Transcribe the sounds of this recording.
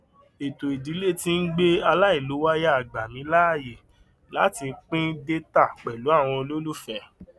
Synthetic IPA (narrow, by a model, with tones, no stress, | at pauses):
e˨to˨i˨di˨˦le˦˨tĩ˦n̩˦ɡ͡be˦a˧la˦i˦˨lo˨˦wa˦ja˦a˨ɡ͡ba˨mĩ˨˦la˦˨je˨ | la˨˦ti˧k͡pĩ˦de˦ta˦˨k͡pɛ˨lu˨˦a˦˨w̃ɔ̃˧lo˦lu˦˨fɛ˧˦